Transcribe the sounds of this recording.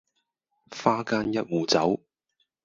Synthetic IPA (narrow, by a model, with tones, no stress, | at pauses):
faː˥kaː˥njɐ˦˥t̚wuː˨˩t͡sɐ˨˥w